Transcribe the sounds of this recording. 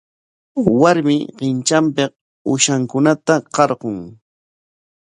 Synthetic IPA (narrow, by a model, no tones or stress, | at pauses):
waɾmɪɢɪnt͡ʃampɪq̚ | ʊʃaŋkʊnat̪aqɑɾɢoŋ